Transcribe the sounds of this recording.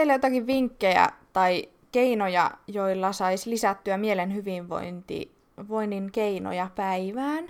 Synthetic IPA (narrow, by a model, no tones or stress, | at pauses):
eilːæjot̪ɑkiʋʋiŋkːejæ̰t̪ɑi | keinojɑ̰joilːɑsɑislisæt̪ːyæmielenhyʋiʋʋo̰int̪ḭ | ʋoinːiŋkeino̰jɑpæiʋæːn